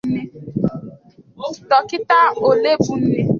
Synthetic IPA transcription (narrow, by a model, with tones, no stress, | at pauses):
ne˦˨ | tɔ˨kɪ˦ta˦o˨le˦bu˨n̩˦ne˦